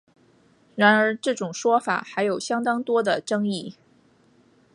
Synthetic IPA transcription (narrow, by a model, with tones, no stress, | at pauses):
ɻa˧˥nə˞˧˥ʈ͡ʂɤ˥˩ʈ͡ʂʊ˨˩ŋʂwɔ˥fa̰˨˩˦xa˧˥ɪjo˨˩ʊɕjɑ˥ŋt̪ɑ˥ŋt̪wɔ˥d̪ə˨ʈ͡ʂɤ˥ŋi˥˩